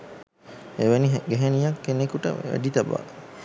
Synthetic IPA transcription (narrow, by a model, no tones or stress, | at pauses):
eʋeniɦɡeɦenijakːenekuʈə̰ʋæ̰ɖit̪aba̰ː